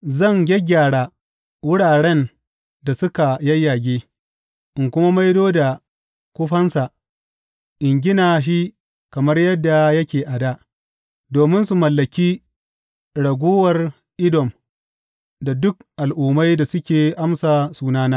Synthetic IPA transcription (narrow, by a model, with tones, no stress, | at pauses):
zɐ˦˨ŋɡʲɛ˦ɡʲaː˨ɽaː˨ | wʊ˦ɽaː˨ɽɛ˦n | da˨sʊ˦ka˨jɐ˦jːaː˨ɡʲeː˦ | ʔɪ˨ŋkʷʊ˦ma˦ma˦jdoː˦da˨ | kʷʊ˦ɸɐ˦nsa˨ | ʔɪ˨ŋɡʲɪ˦naː˨ʃ̬i˦ | kɐ˨mɐ˦rjɐ˦dːa˨jɐ˦kʲeː˨ʔa˨da˦ʔ | doː˨mɪ˦nsu˨mɐ˨lːɐ˨kʲiː˦ | ɽɐ˨ɡʷoː˦wɐ˨r | ʔɪ˦dɔ˨m | da˨dʊ˦k̚ʔa˨lʔuː˨ma˦jda˨sʊ˦kʲeː˨ʔa˦msaː˨suː˦naː˦naː˦